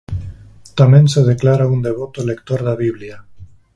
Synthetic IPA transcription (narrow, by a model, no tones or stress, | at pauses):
t̪amẽŋseð̞eklaɾaund̪eβot̪olekt̪oɾðaβiβlja